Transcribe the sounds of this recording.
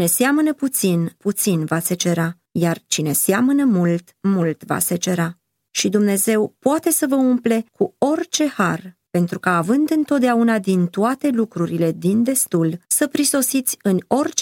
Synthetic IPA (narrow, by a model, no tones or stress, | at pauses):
ne̞seamənəput̪sinput̪sinvaset͡ʃe̞ɾa | jart͡ʃine̞seamənəmult̪mult̪va̰set͡ʃe̞ɾa | ʃid̪umne̞ze̞wpoat̪e̞səvəumple̞kʰuo̞rt͡ʃe̞harpe̞nt̪ɾukaːvɨnd̪ɨnt̪o̞t̪̚d̪eaunad̪int̪oat̪e̞lukɾuɾile̞d̪ind̪e̞st̪ulsəpɾiso̞sit̪sʲɨno̞rt͡ʃ